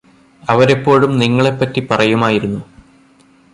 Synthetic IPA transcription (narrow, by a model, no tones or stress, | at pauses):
ɐʋɐɾepːo̞ːɻumniŋːɐɭe̞pːɐtːipɐrɐjumaːjiɾunːu